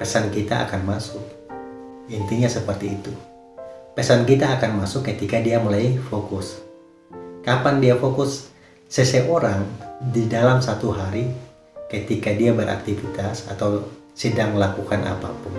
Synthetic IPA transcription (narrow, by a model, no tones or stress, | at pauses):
pəsankit̪aʔa̰kanmasʊk̚ | int̪iɲasəpərt̪iːt̪u | pəsankit̪aːkanmasʊkːət̪ikadiaməlaifokʊs | kapandiafokʊsː | əsəʔoɾaŋdidalamsat̪uɦaɾi | kət̪ikadiabəɾʔa̰k̚t̪ifit̪asat̪awsədaŋməlakukanʔa̰pa̰pʊn